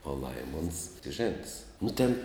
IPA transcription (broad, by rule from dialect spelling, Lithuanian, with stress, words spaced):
oː ˈlˠɐɪmoːns ʒʲeːnts nʊ tʲeːn